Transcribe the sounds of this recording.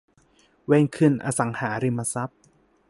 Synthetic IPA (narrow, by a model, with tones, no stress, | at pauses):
weː˧ŋkʰɯ˧˩nʔa̰ː˧sa˩˦ŋhaː˩˦ɾi˧mːa˧sa˦˥p̚